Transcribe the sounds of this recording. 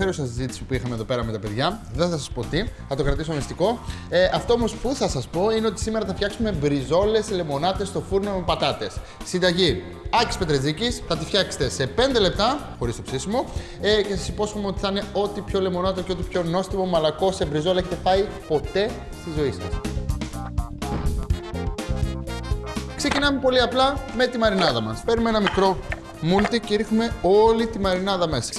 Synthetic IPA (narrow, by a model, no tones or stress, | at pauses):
eɾusɐsizit̪i̥sipuixɐmeðo̞pe̞ɾɐme̞t̪ɐpe̞ðʝɐðeθɐsɐspo̞t̪iθɐt̪o̞kɾɐt̪isoɐmist̪iko̞ | ʔɐft̪o̞omo̞spuθɐsɐspo̞ineo̞t̪i̥simeɾɐθɐfçɐksume̞bɾizo̞le̞sle̞mo̞nɐt̪e̞st̪o̞fuɾno̞mepɐt̪ɐt̪e̞sː | ind̪ɐʝi | ɐci̥spe̞t̪ɾezicisθɐt̪̬ifçɐkse̥t̪e̞se̞pe̞nd̪e̞le̞p̚t̪ɐxo̞ɾist̪o̞psisimo̞ | ce̞sɐsipo̞sumeo̞t̪iθine̞o̞t̪ipço̞lemo̞nɐt̪oceot̪ipço̞no̞st̪imo̞mɐlɐko̞sebɾizo̞le̞çet̪e̞pɐipo̞t̪e̞ | st̪izo̞isɐ̰s | kse̞cinɐme̞po̞liɐplɐme̞t̪imɐɾinɐðɐmɐspe̞ɾumeenɐmikɾo̞ | mult̪iceiɾxume̞o̞lit̪imɐɾinɐðɐmesɐ̥